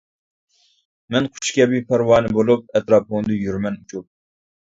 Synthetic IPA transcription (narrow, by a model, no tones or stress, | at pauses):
mɛnqʰʊ̥t͡ʃʰkʲɛbipʰɛɾwɑːnɨbolˠup̚ɛt̪ɾɑːpond̪ɨjyɾmɛnut͡ʃʰup̚